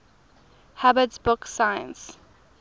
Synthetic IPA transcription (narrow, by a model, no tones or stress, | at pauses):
habətsbʊksajə̰̃ns